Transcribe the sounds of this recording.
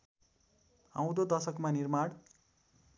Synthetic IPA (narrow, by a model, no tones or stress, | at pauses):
ã̰w̃d̪od̪ʌsʌkmanirmaɽ